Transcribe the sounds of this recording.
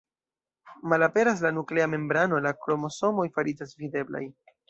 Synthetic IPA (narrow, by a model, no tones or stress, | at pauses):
malape̞ɾas̬lanukle̞ame̞mbɾano̞lakɾo̞mo̞so̞mo̞jfaɾid͡ʒasvid̪e̞bla̰j